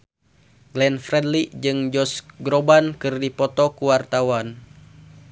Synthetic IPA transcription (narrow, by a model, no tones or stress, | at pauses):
ɡlɛnfɾɛdlid͡ʒɨŋd͡ʒɔsɡɾɔbankɨrdipɔt̪ɔkuwart̪awan